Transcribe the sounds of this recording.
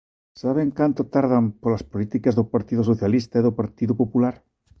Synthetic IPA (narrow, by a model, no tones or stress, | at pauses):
saβ̞eŋkant̪ot̪aɾðampolaspolit̪ikazðopaɾt̪iðosoθjalist̪aiðopaɾt̪iðopopulaɾ